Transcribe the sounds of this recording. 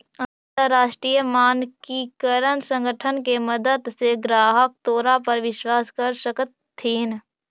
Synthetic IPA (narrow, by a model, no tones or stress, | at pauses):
ə̃nt̪əɾːaːʃʈɾiːjəmaːnkikəɾənsə̃ŋɡʱəʈʰənkeməd̪əd̪seɡɾaːɦək̚t̪oːɾapɐɾʋɪʃwaːskəɾʃəkət̪ʰːiːn